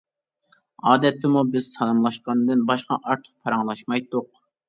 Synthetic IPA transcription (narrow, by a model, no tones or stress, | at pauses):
ɑːd̪ɛt̪ːɪmubɪz̥sɑlˠɑmlˠɑʃqɑnɨd̪ɨnbɑʃqɑ̰ʔɑɾt̪ʰə̥q̚pʰɑɾɑŋlˠɑʃmɑjt̪ːʊq